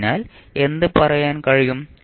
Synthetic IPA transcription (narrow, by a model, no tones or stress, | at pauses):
naːle̞nd̪ɨpɐrɐjaːnkɐɻijum